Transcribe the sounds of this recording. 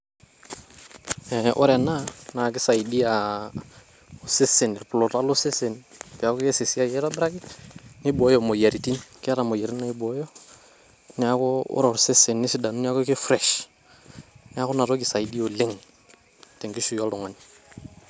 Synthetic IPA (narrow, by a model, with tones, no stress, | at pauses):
ɛ˨ʔo̰˦ɾɛ˨na˦na˨kɪ˦sa˨i˨di˦a˨ | o˨se˦se˨ni˨ɾpʊ˨lo˨ta˦lo˦se˦se˨npi˨a˨˦ko˦ke˦se˨si˦a˦je˦ɾa˦bɾa˦ki˦ni˦bo˨˦jo˨mo˨ja˨ɾi˨ti˦nkɪ˦a˦ɾa˨mo˨je˨ɾi˦na˦i˦bo˨˦jo˦ | nɪ˦a˦ko˦ʊ̰˦ɾo˨ɾse˦se˨nːi˦si˦da˨nu˦ni˦a˦ko˦ke˦fɾɛ˨ʃ | nɪ˦a˦ko˦na˨ɾo˦ki˨sa˨i˨di˦o˨le˦ŋ | te˨ŋɡi˦ʃu˨jo˦ldo˨ŋa˨n